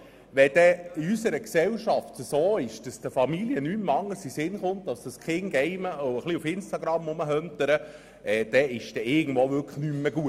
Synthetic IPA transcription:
ʋɛd̥ɛiysəɾəksɛwʃɑftəsoːɪʃd̥ɑsd̥əfɑmiliənymːɑŋːəsisɪnχʊnt̪ːɑsd̥əskʰχɪŋɡ̥ɛɪməoəχliufɪnstɑɡɾɑmːʊməɦœnt̪əɾə | ʔɛd̥ɛɪʃd̥ɛɪɡən̩dʋoːʋʏɾkə̥χnymːəɡ̥uət

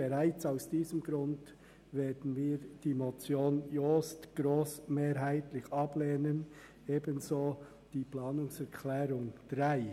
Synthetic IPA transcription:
b̥ɛʁaɪt͡saʊsd̥iːzəmɡɾʊnd | veːdn̩viːd̥iːmot͡sjoːnjoːstɡ̥ɾoːsmeːɾɦaɪtlɪçɑb̥leːnən | ʔeːbənzoː | d̥iːplɑːnʊŋsɛʁkʰlɛːɾʊŋd̥ʁaɪ

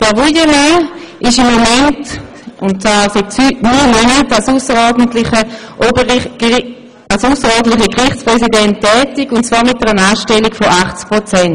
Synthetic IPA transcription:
d̥ɛɐvojəme | ʔɪʃɪmːomɛnt | ʊntt͡saːsɛtsytnyːmønətalsusəʁɔːɐdən̩tlɪχəʔobə | alsusəʁɔːdn̩tlɪχəkʁɪχt͡spʁɛsidɛntːɛːtikʊntt͡sv̥aːɐmɪt̚dɛʁənaːʃtɛlikfoʔaχt͡skpʁot͡sɛn

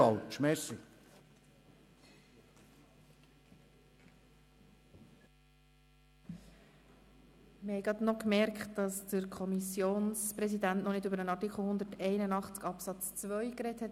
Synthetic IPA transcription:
ɑlʃmɛsi | məhɛɪjɡɾɑdnɔkmɛɾkχtd̥ɑsd̥əɾkʰɔmisjoːnspɾɛsidæntnɔnɪdøbəɾənɑtikʰl̩ˠhʊnd̪ətɛɪnənɑχt͡skɑpsɑt͡st͡svœʏkɾɛthɛt

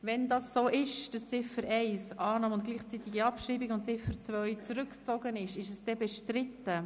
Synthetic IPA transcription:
vɛndɑːsːoːʔɪʃd̥ɑst͡sɪfəɾʔɛɪsɑːnɑːmʊnt̚ɡ̥liːχt͡sit̪iɡiɑpʃɾiːbiɡʊnt̚t͡sɪfəɾt͡svœʏt͡sɾʏkt͡soɡənɪʃɪʃɛsd̥ɛbɛʃtɾɪtə

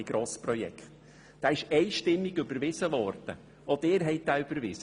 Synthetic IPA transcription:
ɪɡ̥ɾoːspɾɔjɛ̰kχt | d̥aːɪʃɛɪʃtɪmːɪɡʏbəɾvɪsəvɔɾd̥ə̰ | ʔɔd̪ɪːɾɦɛɪt̚d̥̪aːʏb̥əɾvɪsə

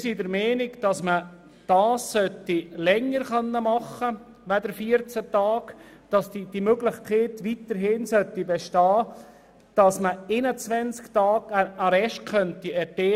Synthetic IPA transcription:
sidəɾmɛːnɪɡd̥ɑsmə | d̥ɑːsːœt̪ːilɛŋːəɾχœnːəmɑχə | ʋædəɾfiəɾt͡sət̪ɑːɡ̥ | d̥ɑsdid̥imøɡlɪχkχeːtʋit̪əɾɦɪnsœtibɛʃtɑː | d̥ɑsməɪnət͡sʋɛnsktɑːɡ̥əəɾɛʃtkʰœnt̪iɛteː

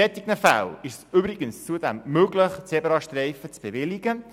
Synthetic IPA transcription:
ɛt̪ɪɡnəfa̰lɪʃsʏbɾɪɡənst͡suədɛmːøːɡləχt͡sebəɾɑʃtrɛɪfət͡sb̥evɪlɪɡ̥ə

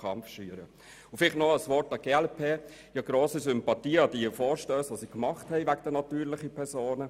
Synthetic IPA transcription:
ɑmfʃyəɾə | ʊfɪlɪχtnɔəsʋɔɾtɑɡ̥eɛlpʰeː | jɑɡ̥ɾoːsəsʏmpɑtiːɑd̥iəfoːɾʃtøːsʋɑsikmɑχthɛɪvæɡd̥ənɑtyːɾlɪχipʰɛɾsoːnə

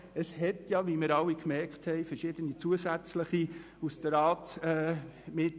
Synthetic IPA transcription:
əshɛtjɑʋimɪɾɑwikmɛɾkχt̪hɛɪfəɾʃɪd̥̪ənit͡suəsæt͡sləχi | usd̥̪əɾɑːtɛːmɪt

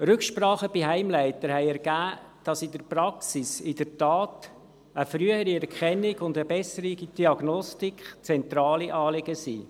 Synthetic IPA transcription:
ɾʏkʃpɾɑːχəb̥iɦæɪmlæɪtəɾhɛɪɛɾɡæː | d̥ɑsɪdəɾpɾɑksisɪdərtɑːt | əfɾyəhəɾiɛɾkʰχɛnːɪɡʊndəbɛsəɾiɡid̥iɑɡ̥nɔstikχt͡sɛnt̪ɾɑːliʔɑːlɪɡəsḭː

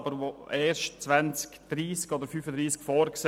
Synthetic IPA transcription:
bəɾʋoʔɛːɾʃtt͡svænt͡skd̪̥ɾiːskɔd̪əɾfyːfəd̪ɾiːskfoːɾks

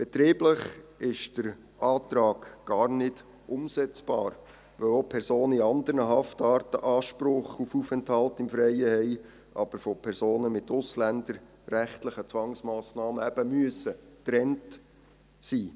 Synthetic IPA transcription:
b̥ɛt̪ɾiːbləχɪʃd̥əɾ | ɑːtɾɑːɡ̥ɡ̥ɑːrnɪd̥ | ʔʊmsɛt͡sb̥ɑːɾ | ʋœopʰɛɾsoːniɑnd̪əɾnəɦɑftɑːɾtə̰ʔɑːʃpɾʊχufufɛnthɑltɪmfɾɛɪəhɛɪ | ʔɑ̰b̥əɾfopʰɛɾsoːnəmɪtʊslænd̪əɾ | ræχtləχət͡sʋɑŋsmɑːsnɑːməæb̥əmyəsətɾɛnt | siː

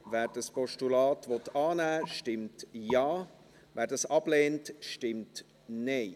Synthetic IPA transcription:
vɛːɾd̥əspʰɔʃtulaːtvɔtɑːnæːʃtɪmtjaː | vɛːɾdɑsɑb̥leːntʃtɪmt | ne

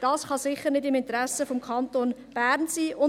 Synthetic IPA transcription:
d̥ɑːsχɑsɪχəɾnɪdɪmɪntɾæsəfomkʰɑntoːnb̥æɾnsiːʔʊ

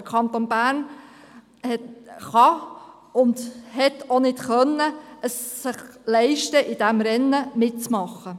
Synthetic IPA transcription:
əkʰχɑnt̪onbæːɾn | hɛtχɑ | ʊndhɛtonɪtχœnːəəsːɪχlɛɪʃtəʔɪd̥æmɾɛnːəmɪt̚t͡smɑχːə

